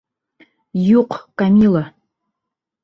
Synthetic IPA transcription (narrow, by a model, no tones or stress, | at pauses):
juqʷʰkʼamilˠa